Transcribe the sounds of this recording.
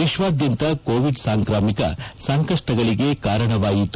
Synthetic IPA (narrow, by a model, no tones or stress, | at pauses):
ʋiʃʋaːd̪jɐnt̪ɐkoːʋiɖsaːŋkɾaːmikɐ̰sɐŋkɐʂʈɐɡɐɭiɡe̞kaːɾɐɳɐʋaːjit̪u